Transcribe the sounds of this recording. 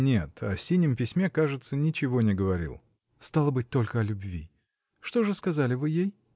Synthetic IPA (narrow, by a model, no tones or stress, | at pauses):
nʲe̞t̪ʰɐsʲinʲːɪmpʲɪsʲmʲe̞kaʐɨt̪sənʲɪt͡ɕɪvo̞nʲɪɡəvɐɾʲḭlˠ | st̪alˠəbɨt̚ʲt̪o̞lʲkəɐlʲʊbvʲḭ | ʂt̪o̞ʐɨskɐzalʲɪvɨjej